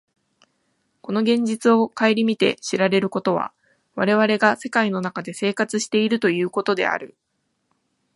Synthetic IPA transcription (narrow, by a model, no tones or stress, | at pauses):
ko̞no̞ɡẽ̞ɲ̟d͡ʑit͡sɨo̞kaeɾʲimʲit̪e̞̰ɕiɾaɾe̞ɾɯ̟ko̞t̪o̞βa̰ | βaɾe̞β̞aɾe̞ɡase̞kaino̞nakad̪e̞se̞ːkat͡sɨɕi̥t̪e̞iɾɯ̟t̪o̞jɯ̟ːko̞t̪o̞d̪e̞̰a̰ɾɯ̟